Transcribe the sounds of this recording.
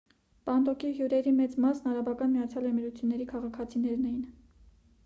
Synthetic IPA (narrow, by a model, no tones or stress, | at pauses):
pɑnd̪ɔkiɦjuɾɛɾimɛt͡smɑsnɑɾɑbɑkɑnmijɑt͡sʰjɑlɛmiɾut͡sʰjunːɛɾikʰɑʁɑkʰɑt͡sʰinɛɾnɛjin